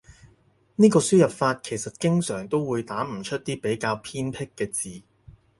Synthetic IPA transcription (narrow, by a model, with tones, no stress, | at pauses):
niː˥kɔː˧syː˥jɐ˨p̚faː˧t̚kʰe˨˩jsɐ˨t̚kɪ˥ŋsœː˨˩ŋt̪o˥wwuː˨˧jt̪aː˨˥m̩˨˩t͡ʃʰɵ˥t̚t̪iː˥pe˨˥jkaː˧wpʰiː˥npʰɪ˥kːɛː˧t͡siː˨